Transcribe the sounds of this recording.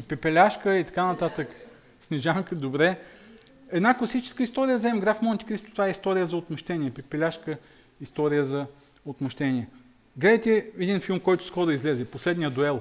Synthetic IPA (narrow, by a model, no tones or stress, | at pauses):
pɛpɛlʲaʃkəit̪ɐ̥kanɐt̪at̪ək | snɛʒamkəd̪obɾɛ | ɛd̪naklˠɐsit͡ʃɛ̥skəist̪ɔɾijəzɛmɡɾafmont̪ʲi̥kɾist̪o̥ʊt̪vaɛist̪ɔɾijəzɐot̪mɐʃt̪ɛniɛpɛpɛlʲaʃkə | ist̪ɔɾijəzɐ | ot̪mɐʃt̪ɛniɛ | ɡlɛd̪əjt̪ɛːd̪infilˠmkɔjt̪ʊ̥skɔɾʊizlɛzɛposlɛd̪nijəd̪oɛlˠ